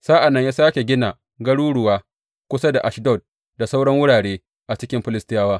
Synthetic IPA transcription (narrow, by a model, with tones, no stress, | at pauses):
saː˦ʔa˨nːɐ˦ɲjaː˦saː˦kʲe˨ɡʲɪ˦naː˨ | ɡɐ˦ɽuː˦ɽʊ˨waː˦ | kʷʊ˦sa˦da˨ʔa˨ʃdɔ˦˨t̚ | da˨sa˦wɽɐ˦ŋwʊ˦ɽaː˨ɽeː˦ | ʔa˨t͡ʃɪ˦kʲɪ˦mɸɪ˦lɪ˦stɪ˦jaː˦waː˦